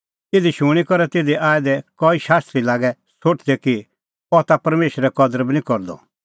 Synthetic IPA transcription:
ed̪iʃũikɔɾɛt̪eːd̪iʔaːɛd̪ɛkɔiʃaːst̪ɾilaːɡɛ | soʈʰd̪ɛki | ɔt̪apɐɾmeːʃɾɛkɔd̪əɾəbnĩkɔɾd̪ɔ̰

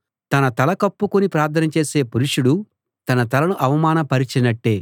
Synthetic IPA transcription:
t̪ɐnɐt̪ɐlɐkɐpːukunipɾaːɾt̪ʰɐnɐt͡ʃe̞ːse̞ːpuɾuʂuɽu | t̪ɐnɐt̪ɐlɐnuʔɐʋɐmaːnɐpɐɾit͡ʃinɐʈːeː

